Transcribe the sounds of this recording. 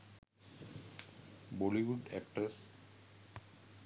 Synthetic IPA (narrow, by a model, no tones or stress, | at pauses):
bɔliʋuɖɛk̚ʈɾəs